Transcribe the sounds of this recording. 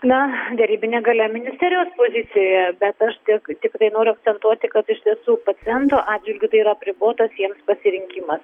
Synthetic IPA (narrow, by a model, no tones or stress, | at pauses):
nɐd̪ʲɛɾʲiːbʲɪnʲeːɡɐlʲɛmʲɪnʲɪsʲt̪ʲɛːɾʲɪjoːspoːzʲɪt͡s̪ʲɪjoːjɛbʲɛt̪ɐʃt̪ʲɪkt̪ʲɪkt̪ɐɪnoːɾʲʊɐk̪sʲɛnt̪uɔt̪ʲɪkɐt̪ɪʃʲt̪ʲiɛsuːpɐt͡ssʲɪjɛnt̪oːʔɑːdd͡ʒʒʲʋʲɪlʲɡʲɪt̪ɐɪiɾɐɐpʲɾʲɪboːt̪ɐsjiɛmspɐsʲɪɾʲɪŋʲkʲiːmɐs